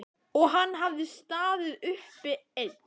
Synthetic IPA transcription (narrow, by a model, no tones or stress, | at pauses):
ɔɣɦanːɦavðɪst̪aːðɪðʏhpɪejt̪n